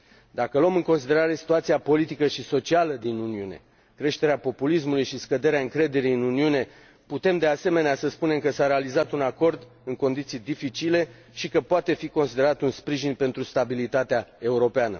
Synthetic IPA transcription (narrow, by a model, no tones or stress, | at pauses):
d̪akəloomɨŋko̞nsid̪e̞ɾaɾe̞si̥t̪uat̪siapo̞lit̪ikəʃiso̞t͡ʃialəd̪inuniune̞̰ | kɾe̞ʃt̪e̞ɾeapo̞pulismulujʃiskəd̪e̞ɾeaɨŋkɾe̞d̪e̞ɾiɨnuniune̞ | put̪e̞md̪e̞ase̞me̞neasəspune̞mkəsaɾe̞alizat̪unako̞rd̪ | ɨŋko̞nd̪it̪sijd̪ifit͡ʃile̞ | ʃikəpoat̪e̞fiko̞nsid̪e̞ɾat̪unspɾiʒinpe̞nt̪ɾust̪abilit̪at̪eae̞uɾo̞peanə̰